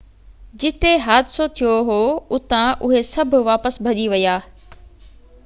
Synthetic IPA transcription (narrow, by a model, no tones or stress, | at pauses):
d͡ʑɪt̪eɦaːd̪ɪsot̪ʰijoɦoːʊt̪ãʔʊɦesɐbʱʊ̆ʋaːpəsbʱɐʄiʋɐjaː